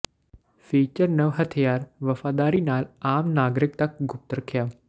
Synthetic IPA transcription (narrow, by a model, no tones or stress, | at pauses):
fiːt͡ʃəɾnɐʋɦɐt̪ʰjaːɾʋɐfaːd̪aːɾiːnaːlaːmnaːɡɾɪk̚t̪ɐk̚ɡʱʊp̚t̪əɾɐkʰjaː